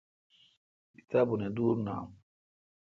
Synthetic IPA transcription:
kit̪abunɛd̪uːɾna̰m

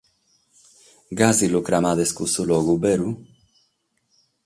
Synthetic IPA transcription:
ɡazilukɾamadeskusulɔɣubeɾu

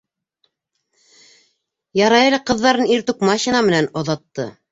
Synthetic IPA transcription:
jɑɾɑjɤ̆lʲɤqɤ̆ðːɑɾɤniɾt̪ukmɑɕinɑmɘ̆nænŏðɑt̪ːɤ̰

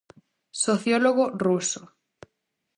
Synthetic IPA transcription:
soθjoloɣ̞oruso

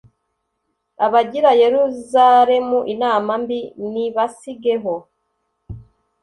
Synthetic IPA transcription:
aβaɟiɾaje̞ɾuzaɾe̞muʔinaːmambiniβasiɡe̞ɦo̞

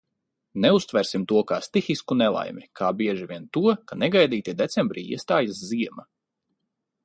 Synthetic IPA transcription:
nɛust̪vɛɾsimt̪uɔkaːst̪ixiskunɛlˠa̰jmikʰaːbiɛʒivʲiɛnt̪uɔkanɛɡajd̪iːt̪id̪et̪sembɾiːḭɛst̪aːjasziɛma

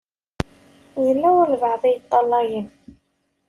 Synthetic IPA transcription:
jəlːæwəɾlvɑʕðˤijət̪ˤːɑlːɑjən

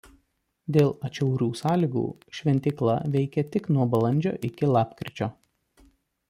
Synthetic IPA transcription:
d̪ʲeːlˠɐt͡ʃʲɛʊɾʲuːsɑːlʲiɡṵː | ʃʲʋʲɛnʲt̪ʲɪklˠɐ̰ʋʲɛɪkʲɛt̪ʲɪknuɔbɐlˠɐnʲd͡ʒʲo̰ːʔɪkʲɪlˠɑːpkɾʲɪt͡ʃʲoː

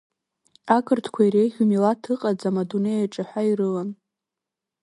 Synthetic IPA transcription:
akʼɨrtʰkʷʰaiɾejʁʲumilatʰɨqʼad͡zamadunejaʈ͡ʂʼaħʷᶣairɨlan

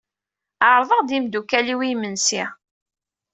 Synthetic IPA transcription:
əɾˤðˤəʁd̪imd̪ukæliwimənsi

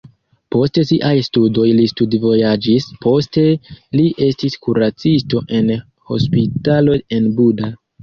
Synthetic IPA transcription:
po̞stesiʔajstudo̞jlistudvo̞jad͡ʒispʰo̞ste̞liʔe̞stiskuɾat͡sisto̞ʔe̞n | ho̞̰spitalo̞e̞nbuda

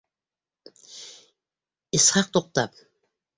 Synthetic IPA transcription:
ishɑq̚t̪oq̚t̪ɑp̚

